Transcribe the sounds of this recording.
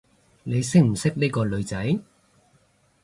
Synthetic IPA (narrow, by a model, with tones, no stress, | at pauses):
ne˨˧jsɪ˥k̚m̩˨˩sɪ˥k̚niː˥kɔː˧lɵ˨˧ɥt͡sɐ˨˥j